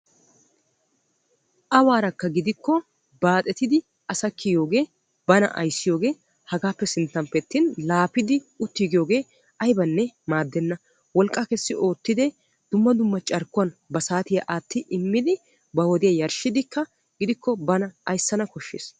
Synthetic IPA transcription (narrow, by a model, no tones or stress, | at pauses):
ʔɐwaːɾɐkːɐɡɪd̪ɪkːɔ | baːt̪ʼɛt̪ɪd̪ɪ | ʔɐsɐkːɪjo̞ːɡe̞ː | bɐnɐ̰ʔɐ̰jsːɪjo̞ːɡe̞ː | hɐɡaːpːɛsɪnt̪ːɐmpɛt̪ːɪnlaːpɪd̪ɪʊt̪ːiːɡɪjo̞ːɡe̞ː | ʔɐjbɐnːɛmaːd̪ːɛnːɐ | wɔlkʼːaːkɛsːɪʔo̞ːt̪ːɪd̪ɛ | d̪̥ʊmːɐd̪ʊmːɐt͡ʃʼɐɾkːʊwɐnbɐsaːt̪ɪjɐʔaːt̪ːɪʔɪmːɪd̪ɪ | bɐwɔd̪ɪjajɐɾʃɪd̪ɪkːɐ | ɡɪd̪ɪkːɔbɐnɐʔɐjsːɐnɐkɔʃːḛːs